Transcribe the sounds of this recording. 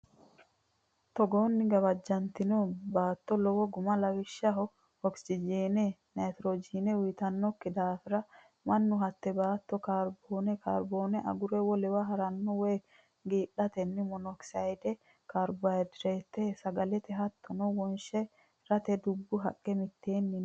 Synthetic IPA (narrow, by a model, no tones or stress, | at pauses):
t̪ɔɡoːnːɪɡɐβɐd͡ʒːɐnt̪ɪnɔbaːt̪ːɔlɔwɔɡʊmɐlɐɡɪʃːɐɦɔ | hɔksɪd͡ʒiːnɛnat̪ɾod͡ʒiːnɛwjt̪ɐnːɔkːɪd̪aːfɪɾɐ | mɐnːʊɦɐt̪ːɛbaːt̪ːɔkaɾboːnɛkʰa̰ːɾboːnɛʔɐ̰ɡʊɾɛwɔlɛwɐɦɐɾɐnːɔwɛj | ɡiːɗɐt̪ɛnːɪmɔnɔksajd̪ɛ | kaɾbajd̪ɾet̪ːɛsɐɡɐlɛt̪ɛɦɐt̪ʰːɔnɔwɔnʃɛ | ɾɐt̪ɛd̪ʊbːʊɦɐkʼːɛmɪt̪ːeːnːɪ